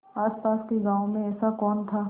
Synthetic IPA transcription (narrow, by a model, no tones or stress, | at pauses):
aːspaːskeɡãːõmẽɛːsakɔːnt̪ʰaː